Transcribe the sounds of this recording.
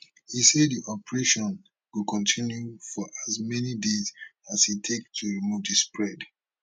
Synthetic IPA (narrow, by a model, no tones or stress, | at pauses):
hisɛddiʔɔpəɹeʃɔ̃n | wukʰɔ̃ntʰĩnjufɔʔazmɛnidezashitʰektʰuɹimuvdispɹɛd